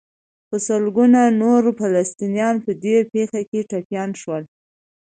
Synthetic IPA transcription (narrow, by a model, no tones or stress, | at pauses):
pəsəlɡunanoɾfalast̪injɑnpəd̪epexakeʈapjɑnʃwəl